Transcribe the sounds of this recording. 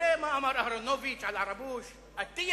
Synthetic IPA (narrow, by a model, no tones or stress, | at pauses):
eːmaʔamɑɾˤʔahɾonovit͡ʃʕalʕɑɾˤɑbuːʃ | ʔat̪ːɪj